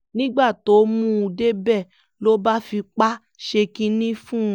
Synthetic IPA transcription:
nĩ˦ɡ͡ba˦˨to˨˦mũ˦u˧de˦bɛ˦˨ | lo˦ba˦fi˧k͡pa˦ | ʃe˧kĩ˧nĩ˦fũ˦

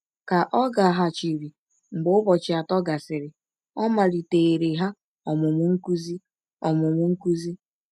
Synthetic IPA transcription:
ka˨ʔɔ˦ɡa˨ɦa˨t͡ʃi˨ɾi˨ | ŋ͡m̩˨ɡ͡bʊ˦bɔ˨t͡ʃɪ˨a˨tɔ˦ɡa˨sɪ˨ɾɪ˨ | ɔ˦ma˨ɾi˨te˨e˨ɾe˨ɦa˦ | ɔ˨mʊ˨mʊ˦ŋ̩˦ku˦zi˦ | ɔ˨mʊ˨mʊ˦ŋ̩˦ku˦zi˦

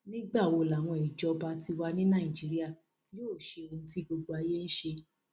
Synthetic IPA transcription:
nĩ˦ɡ͡ba˦˨wo˧˨la˨w̃ɔ̃˧i˨d͡ʒɔ˨˧ba˧ti˧wa˧nĩ˦nã˦˨ĩ˨d͡ʒi˨˦ɾi˦a˦˨ | joː˦˨ʃe˧o˧ũ˧˦ti˦ɡ͡bo˧ɡ͡bo˧a˧je˦ñ̩˦ʃe˧

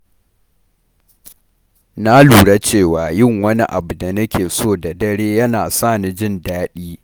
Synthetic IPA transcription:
na˦luː˨ɽa˦t͡ʃeː˦˨waː˨jɪ˦˨ŋwɐ˦ni˦ʔa̰˨bu˨da˨nɐ˦kʲʰeː˨soː˦˨da˨dɐ˦ɽeː˦jɐ˦naː˨sa˦˨ni˨d͡ʒɪ˦ndaː˦ɗiː˦

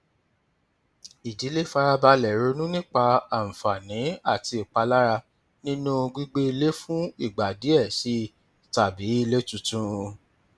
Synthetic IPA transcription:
i˨di˨˦le˦fa˧ɾa˧ba˧lɛ˨ɾo˧nũ˦nĩ˦k͡pa˧a˨m̩˨fa˨nĩ˨˦a˦˨ti˧i˨k͡pa˧la˦ɾa˧ | nĩ˦nũ˦˧ɡ͡bi˦ɡ͡be˦i˧le˦fũ˦i˦˨ɡ͡ba˨di˨˦ɛ˦˨si˨˦ | ta˨bi˨˦i˦˧le˦tũ˨˧tũ˦˧

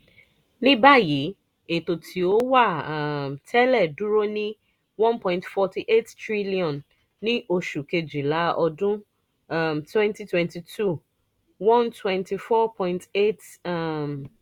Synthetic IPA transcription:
nĩ˦ba˦ji˨˦ | e˨to˨tʰi˨o˦wa˦˨tʰɛ˦lɛ˦˨du˦ɾo˦nĩ˦ | wɔ̃˦npɔ̃˨ĩntfɔ˧ti˦ʔe˦ttɾi˦li˦ɔ̃˨nː | ĩ˦ʔo˧ʃu˨ke˧d͡ʒi˨la˨˦ʔɔ˧dũ˦˨ | mtwɛ̃˦nti˦twɛ̃˦nti˨tʰu˦ | wɔ̃˦ntwɛ̃˦nti˨fɔ˦pɔ̃˦ĩnte˦tm

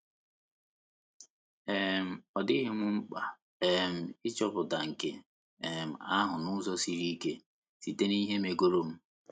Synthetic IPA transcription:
e˦˨m̩˨ɔ˨dɪ˦ɦe˦ŋʷʊ˦ŋ͡m̩˦k͡pa˨ | e˨m̩˨ɪ˦t͡ʃɔ˦bʊ˨da˨ŋ̩˨ke˨ | e˨m̩˨a˦ɦʊ˨nʊ˦zɔ˦si˨ɾi˦ke˦ | si˨te˦ni˦ɦe˦me˨ɡo˦ɾo˦m̩˦

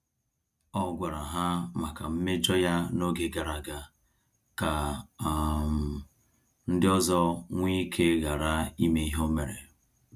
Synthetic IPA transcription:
ɔ˦ɡʷa˨ɾa˨ɦa˦ma˨ka˨m̩˦me˦d͡ʒɔ˦ja˦no˦ɡe˨ɡa˨ɾa˨ɡa˦ | ka˨ | m̩˨ | n̩˦dɪ˦ɔ˦zɔ˦ŋʷi˦kʰe˦ɣa˨ɾa˦i˦me˦i˦ɦo˦me˨ɾḛ˨

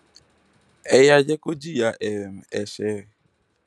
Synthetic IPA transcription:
e˦ja˦d͡ʒe˦ko˦d͡ʒi˦ja˦ʔe˨m̩˨e˨ʃe˦˨

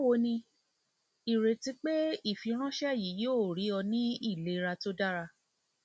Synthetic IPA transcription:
o˦wo˧˦nĩ˧ | i˨ɾe˨ti˧˦k͡pe˦i˦˨fi˨˧˦ɾ̃ã˦ʃɛ˦˨ji˨˦joː˦˨ɾi˨˦ɔ˧nĩ˦i˦˨le˨˦ɾa˧to˦da˦ɾa˧

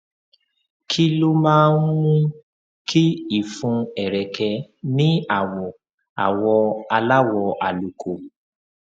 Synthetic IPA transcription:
kʰi˦lo˦mãː˦n̩˦mũ˦ | kʰi˦i˦˨fũ˧ɛ˨ɾɛ˨kɛ˧nĩ˦a˨wɔ˨ | a̰˨wɔ˧a˧la˦wɔ˧a˨lu˨kʰo˨

